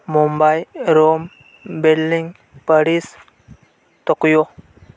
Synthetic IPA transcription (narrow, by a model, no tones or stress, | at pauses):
mumbajɾom | belːiŋɡ | pəɽis | t̪ɔkjo